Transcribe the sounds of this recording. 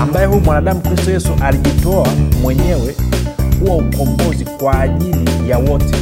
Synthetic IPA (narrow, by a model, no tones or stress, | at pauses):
ambajɛhujumwanaɗamukɾistɔjɛsuʔaliʄitɔamwɛɲɛwɛhuwam̩kɔmbɔzikwaːʄilijawɔtɛ